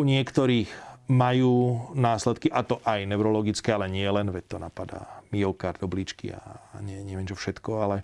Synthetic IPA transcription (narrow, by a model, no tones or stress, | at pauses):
uɲɪɛkt̪ɔɾiːxmajuːnaːslɛt̪kiʔat̪ɔʔajnɛʊɾɔlɔɡit͡skɛalɛɲɪɛlɛnʋɛc̚t̪ɔnapad̪a̰ːmiɔʊkaɾd̪ɔblit͡ʃkḭa̰ɲɛɲɛʋɪɛnt͡ʃɔfʃɛt̪kɔalɛ